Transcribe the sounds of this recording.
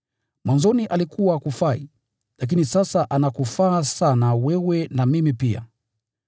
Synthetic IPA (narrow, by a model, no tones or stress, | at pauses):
mwanzɔniʔalikuwakufai | lak̬inisasaʔanakufaːsanawɛwɛnamimipia̰